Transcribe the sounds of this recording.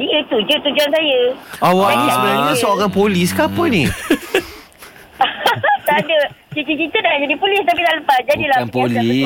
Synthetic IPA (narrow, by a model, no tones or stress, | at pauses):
diʔət̪ud͡ʒət̪ud͡ʒans̬ajəawanisəbənaɲãsoɔkanpoliskapənĩ | t̪adəkikik̬it̪ənalad͡ʒadipolist̪ap̬it̪aləpat̪̚d͡ʒadilapolai